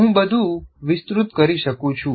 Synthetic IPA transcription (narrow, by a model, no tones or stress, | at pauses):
ɦũbəd̪ʱuʋɪst̪ɾʊt̪kəɾiʃəkũt͡ʃʰũ